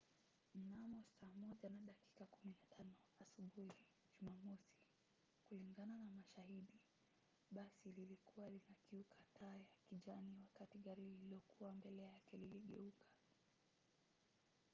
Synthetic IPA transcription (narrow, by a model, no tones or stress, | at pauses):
m̩namɔsaːmɔʄanaɗaki̥kakuminatʰanɔasuɓuhi | ʄumamɔsi̥ | kuliŋɡananamaʃahiɗi | ɓasililikuwalinakiukʰatʰaːjakiʄaniwakatiɠaɾiiliɔkuwambɛlɛjakɛliliɠɛ̰ukʰḁ